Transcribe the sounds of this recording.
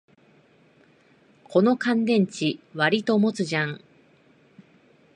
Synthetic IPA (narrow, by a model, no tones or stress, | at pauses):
kʰo̞no̞kãnd̪ẽ̞ɲ̟t͡ɕiβaɾʲit̪o̞mo̞t͡sɨʑãŋ